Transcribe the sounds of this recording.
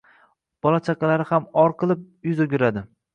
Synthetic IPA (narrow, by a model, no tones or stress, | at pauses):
b̥ɒlˠat͡ʃʰakɑlaɾɪhamɒɾqʰɨlˠɪp̚ | jʊzoɡʲɪɾad̪ɪ